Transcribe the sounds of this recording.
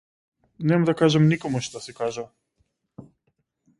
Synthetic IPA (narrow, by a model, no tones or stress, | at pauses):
nɛmad̪akaʒamnikɔmuʃt̪asɛkaʒa